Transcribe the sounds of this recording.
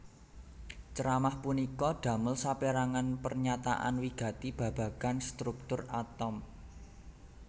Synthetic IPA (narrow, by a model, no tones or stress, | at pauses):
t͡ʃəɾamahpunikɔɖ̥ä̤məlsapeɾaŋanpərɲat̪a̰ʔa̰nwiɡ̥ä̤t̪ib̥ä̤b̥ä̤ɡanst̪ɾuk̚t̪ʊrat̪ɔm